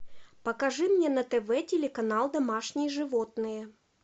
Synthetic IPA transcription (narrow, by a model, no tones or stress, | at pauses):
pəkɐʐɨmnʲenɐt̪ɛvɛtʲɪlʲɪkɐnalˠd̪ɐmaʂnʲɪjəʐɨvot̪nɨjə